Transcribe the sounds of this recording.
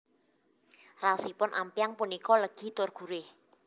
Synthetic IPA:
rasipʊnʔa̰mpijaŋpunikɔləɡ̥i̤t̪orɡ̥ṳɾɪh

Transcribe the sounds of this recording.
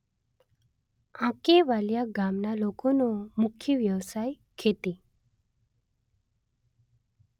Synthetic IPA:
ãkeʋaljaɡamnalokonomukʰːjəʋjəʋsaj | kʰet̪i

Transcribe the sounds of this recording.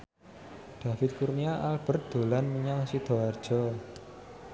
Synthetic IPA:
d̪̥a̤fɪt̪̚kurniaʔalb̥ə̤rd̪̥o̤lanməɲaŋsid̪̥ɔ̤ard̥ʒ̥ɔ

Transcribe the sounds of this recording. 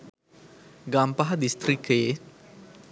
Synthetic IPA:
ɡampaɦd̪ist̪ɾike

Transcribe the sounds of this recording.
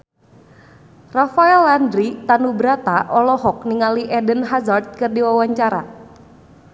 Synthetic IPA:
rafaɛlandɾit̪anubɾat̪aʔɔlɔɦɔk̚niŋaliʔɛdənɦazart̪̚kɨrdiwawaɲt͡ʃaɾa̰

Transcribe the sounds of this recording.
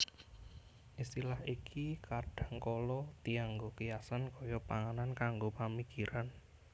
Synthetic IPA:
ʔist̪ilaɦikʰikaɖ̥a̤ŋkɔlɔt̪iaŋɡokijasankɔjɔpaŋanankaŋɡopamikiɾʔan

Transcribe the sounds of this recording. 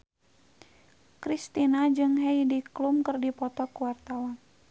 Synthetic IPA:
kɾist̪inad͡ʒɨŋɦɛjdiklumkərdipɔt̪ɔkuwart̪awan

